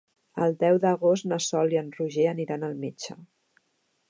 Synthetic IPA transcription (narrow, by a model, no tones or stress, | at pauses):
ə̰lˠd̪ɛwðəɣost̪nəsɔliənruʒeəniɾanəlˠmit͡ʃə̰